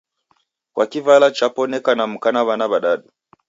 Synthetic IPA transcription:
kwʔakivalat͡ʃapɔnɛkanam̩kanaβanaβaɗaɗu

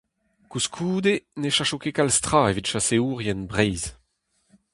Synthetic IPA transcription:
kuskʰuːd̪eneʃaʃokekalst̪χaːevitʃaseuːʁjɛnbʁɛjz

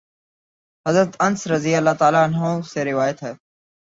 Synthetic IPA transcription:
ɦəzɾət̪ənsɾəzijaːlːaːt̪aːlaːənɦõːseːɾɪʋaːjət̪ɦɛː

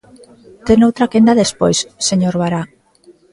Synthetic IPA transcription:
t̪enowt̪ɾakend̪aðespojsːeɲoɾβaɾa

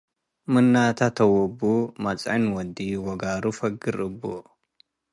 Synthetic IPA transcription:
mɨnːat̪ʰɐt̪ʰɐwɔbːumɐt͡sʼʕanwɔd̪iwɔɡaːɾufɐɡɨɾɨbːo̰

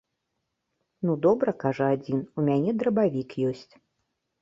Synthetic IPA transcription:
nud̪ɔbɾɐkaʐɐad͡zʲinumʲanʲɛd̪ɾɐbavʲikjɔsʲt͡sʲ

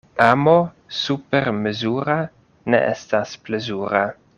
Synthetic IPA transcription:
ʔamo | supeɾmezuɾa | nḛʔḛstasplezuɾa

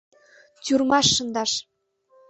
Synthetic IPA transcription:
tʲyrmɑʃːɤ̆nd̪ɑʃ

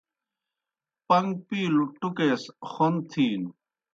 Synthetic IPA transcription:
pɐŋɡpiːluʈukeːsxont̪ʰiːn

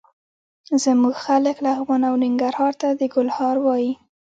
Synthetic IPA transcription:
zəmuɡxaləklaːvɣɑnawnɪŋɡaɾhɑɾt̪ad̪əɡʊlhɑɾwɑji

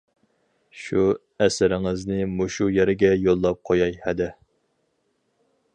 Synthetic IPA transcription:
ʃu | ɛsɪɾɪŋɪznɪmoʃujeɾɪɡʲɛjolˠːɑp̚qʰojɑjhɛd̪ɛ

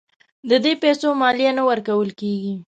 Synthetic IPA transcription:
d̪əd̪epɛsomɑlijanawəɾkawəlkeɡi

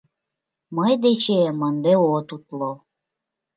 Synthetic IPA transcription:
məjd̪et͡ɕemənd̪eot̪ut̪lo

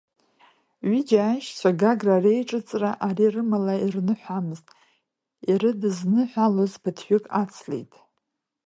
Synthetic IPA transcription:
ɥid͡ʒaːʃt͡sʷʰaɡaɡrare̞jʈ͡ʂʼɨt͡sʼraʔarirɨmalairnɨħʷamɨztʼ | iɾɨdɨznɨħʷᶣalozbʰɨtʰħʷᶣʏkʼat͡sʰlḛjtʼ

